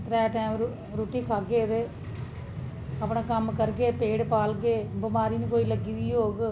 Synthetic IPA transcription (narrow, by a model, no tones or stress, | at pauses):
ʈɾɛːʈaːmɾ | ɾuːʈiːkʰaːɡeːd̪e | əpɳãːkəmkəɾɡeːpeːɽpaːlɡeːbəmaːɾiːnũːkoːiːləɡiːd̪iːɦoːɡ